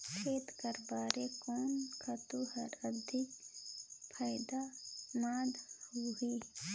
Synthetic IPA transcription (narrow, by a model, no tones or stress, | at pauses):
kʰeːt̪kəɾbaːɾekoːnkʰət̪uhəɾəd̪ʱɪk | pʰaːjd̪amaːd̪huɦi